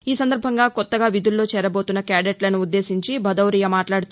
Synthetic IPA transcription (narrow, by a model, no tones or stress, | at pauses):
iːsɐnd̪ɐɾbʱɐŋɡaːkɔt̪ːɐɡaːʋid̪ulːo̞ːt͡ʃɛːɾɐbo̞ːt̪unːɐkaːɖeʈlɐnuud̪ːe̞ːsiɲt͡ʃibʱɐd̪ɐwɾiːjɐmaːʈlaːɽut̪u